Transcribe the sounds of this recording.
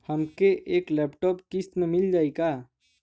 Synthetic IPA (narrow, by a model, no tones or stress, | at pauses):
həmkeʔeːklɛːpʈɔːpkist̪mẽmɪld͡ʒaːikaː